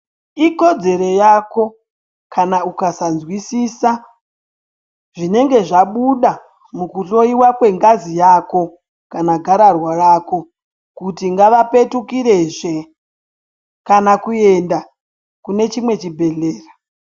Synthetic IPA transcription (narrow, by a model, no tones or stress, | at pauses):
iko̞d͡ze̞ɾo̞jako̞ | kanaukasanzwisiːsa | ʐ̥ine̞ŋɡe̞ʐaɓuɗa | mukuɬo̞iwakwe̞ŋɡazijako̞ | kanaɡʱaɾarwarako̞ | kutiŋɡaʋape̞tukiɾe̞ʐe̞ | kanakue̞nda | kune̞t͡ʃimwe̞t͡ʃibʱe̞ɮeːrḁ